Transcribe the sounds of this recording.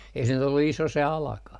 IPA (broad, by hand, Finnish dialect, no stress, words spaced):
ei se nyt olːu iso se ɑlɑkɑh